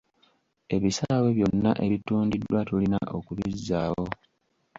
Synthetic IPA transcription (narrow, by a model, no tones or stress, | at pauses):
e̞βisaawe̞βjo̞nːa̰ʔe̞βituːndidːwatulinaʔo̞kulizːaːwo̞